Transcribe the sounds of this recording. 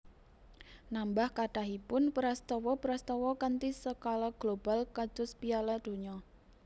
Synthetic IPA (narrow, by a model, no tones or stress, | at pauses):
nambahkaɖ̥aɦipʊnpəɾast̪ɔwɔpəɾast̪ɔwɔkant̪isəkalaɡ̥lob̥a̤lkḁd̥ʊ̤spialad̪̥o̤ɲɔ